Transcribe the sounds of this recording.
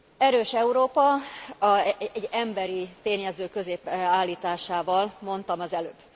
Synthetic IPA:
ɛɾøːʃɛuɾoːpɒ | ɛɟɛmbɛɾit̪eːɲɛzøːkø̞zeːpaːlːiːt̪aːʃaːvɒlmo̞nt̪ɒmɒzɛløːb

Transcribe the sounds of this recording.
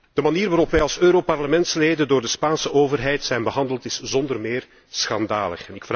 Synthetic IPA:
d̥əmaniːrʋaːɾɔpʋɛjɑlˠsøːɾopɑrləmɛntsleːdəndoːrdəspaːnsəʔoːvərɦɛjtsɛjnbəɦɑndəlˠtɪszɔndərmeːr | sxɑndaːlə̰xɛnɪkf

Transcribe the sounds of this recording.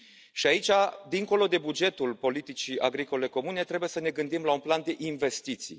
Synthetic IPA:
ʃiait͡ʃad̪iŋko̞lo̞d̪e̞bud͡ʒe̞t̪ulpo̞lit̪it͡ʃiaɡɾiko̞le̞ko̞mune̞t̪ɾe̞bujesəne̞ɡɨnd̪imlaunpland̪e̞ʔinve̞st̪it̪sḭ

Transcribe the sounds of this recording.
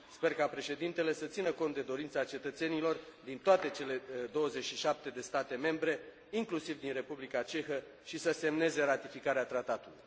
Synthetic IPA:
spe̞rkapɾe̞ʃe̞d̪int̪e̞le̞sət̪sinəkont̪̚d̪ed̪o̞ɾint̪sat͡ʃe̞t̪ət̪se̞nilo̞rd̪int̪oat̪e̞t͡ʃe̞le̞d̪o̞wəzet͡ʃʲʃiʃap̚t̪e̞d̪e̞st̪at̪e̞me̞mbɾe̞ | iŋklusivd̪inre̞publikat͡ʃe̞xə | ʃisəse̞mne̞ze̞ɾat̪ifikaɾeat̪ɾat̪at̪ulṵj

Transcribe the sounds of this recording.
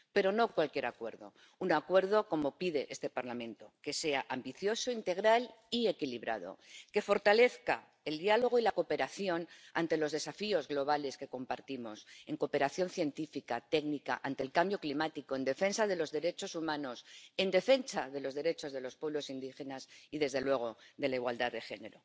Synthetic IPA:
pe̞ɾo̞no̞kwalkje̞ɾakwe̞ɾðo̞̰ | unakwe̞ɾð̞o̞ko̞mo̞piðe̞ʔe̞st̪e̞paɾlamẽ̞nt̪o̞ke̞se̞aʔambiθjo̞soint̪e̞ɣɾalie̞kiliβɾa̰ð̞o̞̰ke̞fo̞ɾt̪ale̞θka̰ | e̞ld̪ialo̞ɣ̞oilako̞pe̞ɾaθjo̞na̰nt̪e̞lo̞zðe̞safio̞zɣlo̞β̞ale̞ske̞ko̞mpaɾt̪imo̞se̞ŋko̞pe̞ɾaθjo̞nθje̞nt̪ifikat̪e̞knika̰ʔant̪e̞lkambjo̞klimat̪iko̞e̞nd̪e̞fe̞nsaðe̞lo̞zðe̞ɾe̞t͡ʃo̞sumãno̞se̞nd̪e̞fe̞nsaðe̞lo̞zðe̞ɾe̞t͡ʃo̞zðe̞lo̞spweβlo̞sind̪ixe̞nasiðe̞zðe̞lwe̞ɣ̞oðe̞laiɣwald̪aððːe̞xe̞ne̞ɾo̞

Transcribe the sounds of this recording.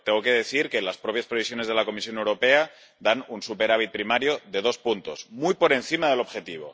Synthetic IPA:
t̪eŋɣoke̞ðe̞θiɾkelaspɾo̞pjaspɾe̞βis̬jone̞zð̞e̞lako̞mis̬jo̞newɾo̞pe̞a | d̪anunsupe̞ɾaβ̞it̪̚pɾimaɾjoðe̞ðo̞spunt̪o̞zmujpo̞ɾe̞nθimaðe̞lo̞βxe̞t̪iβ̞o̞̰

